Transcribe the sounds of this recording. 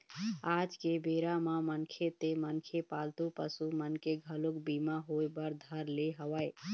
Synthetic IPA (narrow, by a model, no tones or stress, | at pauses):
ad͡ʒkebeɾamamənkʰet̪emənkʰepalt̪upəsumənkeɡʱəlukbimaɦoebəɾd̪ʱəɾleɦəwəj